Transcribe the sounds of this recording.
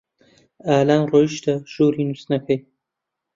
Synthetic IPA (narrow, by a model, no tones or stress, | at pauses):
aːlaːnroːjiʃd̪ɐʒ̥oːɾiːnusnɐkʰɐj